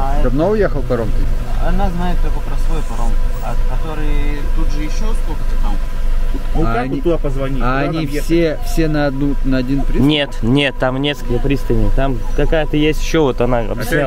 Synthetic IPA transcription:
ad̪ɐbnoʊjexəlˠpɐɾomkɪɐnaznajɪt̪ɐkopɾɐsojpɐɾomkʊɐkɐt̪o̞ɾɨjt̪ud̪ʐɨjɪɕːosk̪okət̪ɐk̪alˠ | nukant̪ud̪apəzvɐnʲiɐːnʲifsʲefsʲe̞nɐɐd̪nunəɐdʲinpɾʲinʲet̪nʲe̞t̪ːamnʲeskəlkəpɾʲist̪ənʲɪjt̪amkɐkajət̪əjesʲtʲɪ̥ɕːovot̪ɐnaɐ̰bjɪsʲnʲa

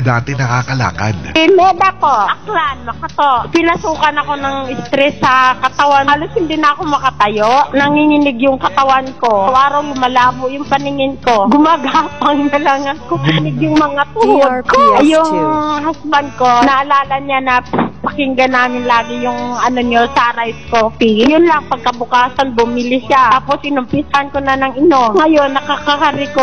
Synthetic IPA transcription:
d̪aːt̪ɪnɐkaːkɐla̰ːka̰d̪mɛːd̪ɐpo̞ʔʔɐklanmɐkɐt̪opɪnɐsuːkɐnɐko̞nɐŋɪst̪ɾɛsːɐkɐt̪ɐwanaloshɪnd̪inɐkomɐkɐt̪ɐjoʔnɐŋhinɪnɪɡjʊŋkɐt̪ɐwanko̞wʔaːɾɐwɡʊmɐlaːbojʊŋpɐnɪŋɪnko̞ɡʊmaːɡapɐŋnɐlaŋɐkonɪɡ̚jʊŋmɐŋat̪uod̪̚kojʊŋhasbanko̞nɐʔɐlaːlɐɲanɐpɐkɪŋɡɐnaːmɪnlaːɡɪjʊŋʔɐnoɲosaːɾaɪskopijʊnlɐŋpɐɡ̚kɐbʊkaːsɐnbʊmɪlɪʃaaːpo̞sʔɪnʊmpɪshɐnkonɐnɐŋɪno̞mŋɐjo̞nːɐkakakaɾɪko

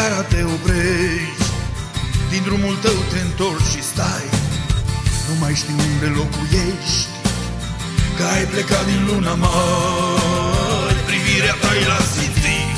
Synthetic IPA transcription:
aɾat̪e̞opɾeʃʃt̪ʲ | d̪ind̪ɾumult̪əwt̪e̞ɨnt̪o̞rt͡ʃʃist̪aj | numajʃt̪inund̪elo̞kujeʃt̪ʲ | kəajplekad̪inlunama | ɾpɾiviɾeapajlasit̪i

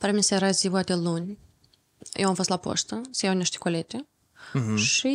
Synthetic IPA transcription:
pɾamʲisaeɾazivwat̪ʲelunʲ | jʔewamfo̞st̪lapo̰st̪əsejawnʲiʃt̪ʲe̥kolet̪ʲe | ʃi

